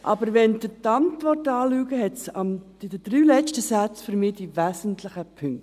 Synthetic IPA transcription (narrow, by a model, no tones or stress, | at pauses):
ʔɑ̰bəɾʋɛnd̪ətɑntʋɔrtɑːlyːɡəɦɛtsɑm̥ | ɪdəd̥ɾyːlɛt͡ʃtəsæt͡sføɾmiːdiʋæːsəntlɪχəpʰʏŋ